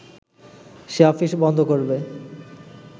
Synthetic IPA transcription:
ʃeɔfiʃbɔnd̪ʱokoɾbe

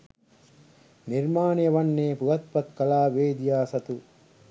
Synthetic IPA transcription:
niɾmaːnɐjɐʋɐnːeːpuʋɐt̪̚pɐt̪kɐlaːʋeːd̪ijaːsɐt̪u

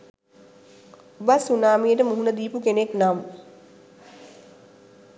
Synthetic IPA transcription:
ubasunaːmijəʈəmuɦunəd̪iːpukeneknam

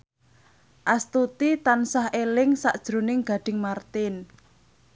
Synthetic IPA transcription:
ʔast̪ut̪it̪ansahelɪŋsaʔd̥ʒ̥ɾo̤nɪŋɡ̥a̤ɖ̥ɪ̤ŋmart̪ɪn

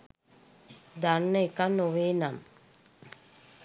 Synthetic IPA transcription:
d̪anːəekanːoʋeːnam

